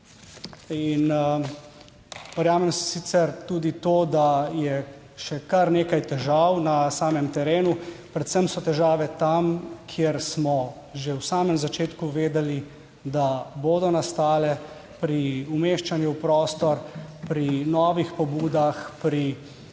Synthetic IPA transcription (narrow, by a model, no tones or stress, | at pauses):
in | ʋəɾjaːmɛmssit̪sɛɾt̪uːd̪it̪oːd̪ajɛ | ʃɛkɐɾneːkajt̪ɛʒawnasaːmɛmt̪ɛɾeːnupɾɛt̪səmsɔt̪ɛʒaːʋɛt̪amkʰjeɾsmɔ | ʒewsaːmɛmzat͡ʃeːt̪kuʋeːd̪ɛli | d̪aboːd̪ɔnast̪aːlɛ | pɾiumeːʃt͡ʃanjuwpɾɔːst̪ɔɾpɾinɔːʋixpɔbuːd̪axpɾi